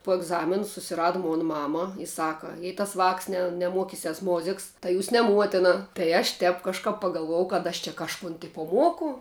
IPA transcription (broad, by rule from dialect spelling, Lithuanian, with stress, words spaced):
poː ɛɡˈzɑːmʲɪn sʊsʲɪˈrɑːdɐ ˈmoːn ˈmɑːmɐ ɪ ˈsɑːkɐ jɛɪ tɐs ʋɑːks nʲɛ nʲɛˈmuɔkʲɪsʲɛs ˈmoːzʲɪks tɐɪ ˈjuːs nʲɛ ˈmuɔtʲɛnɐ tɐɪ ɐʃ ˈtʲɛp kɐʃˈkɐp pɐɡɐlˠˈʋuɔjɛʊ kɐt ˈɐʃ t͡ʃʲɛ kɐʃˈkʊn ˈtʲɪpoː ˈmuɔkʊ